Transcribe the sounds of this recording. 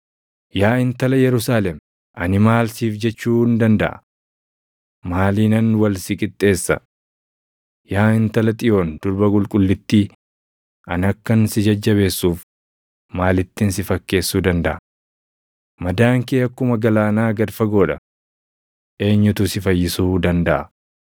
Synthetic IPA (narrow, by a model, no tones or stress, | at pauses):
jaːɪnt̪ɐlɐjɛɾʊsaːlɛm | ʔɐnɪmaːlsiːfd͡ʒɛt͡ʃːuːnd̪ɐnd̪ɐ̰ʔɐ̰ | maːliːnɐnwɐlsɪkʼɪt̪ʼːe̞ːsːɐ̰ | jaːɪnt̪ɐlɐt̪ʼɪjo̞ːnd̪̥ʊɾbɐkʼʊlkʼʊlːɪt̪ːiː | ʔɐnɐkːɐnsɪd͡ʒɐd͡ʒːɐβe̞ːsːuːf | maːlɪt̪ːɪnsɪfɐkːe̞ːsːuːd̪ɐnd̪ɐ̰ʔɐ | mɐd̪aːŋkeːɐkːʊmɐɡɐlaːnaːɡɐd̪fɐɡo̞ːᶑɐ | ʔe̞ːɲːʊt̪ʊsɪfɐjːɪsuːd̪ɐnd̪ɐʔɐ̰